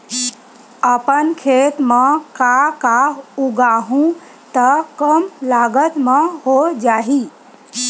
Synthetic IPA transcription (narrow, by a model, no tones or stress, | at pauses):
əpənkʰet̪mekakaɦuɡaɦũ | t̪əkəmlaɡət̪meɦod͡ʒaɦi